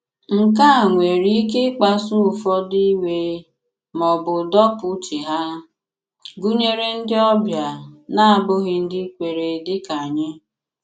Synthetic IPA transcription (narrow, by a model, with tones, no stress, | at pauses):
ŋ̩˨ka˦˨ŋʷe˨ɾi˦ke˦k͡pa˦sʊ˦ʊ˨fɔ˦di˦we˦ | mɔ˨bʊ˨dɔ˦pʊ˦t͡ʃi˨ɦa˦ | ɡu˦ɲe˦ɾe˦n̩˦dɪ˦ɔ˦bja˨na˦a˨bʊ˦ɣɪ˦n̩˦dɪ˦kʷe˨ɾe˨dɪ˦ka˨ɲe˦